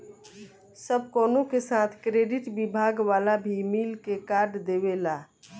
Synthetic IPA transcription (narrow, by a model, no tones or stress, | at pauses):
səb̚ʱkoːnokesaːt̪ʰkɾeːɖɪʈbibʱaːɡʋaːlabʱimiːlkekaːɾɖd̪eːβelaː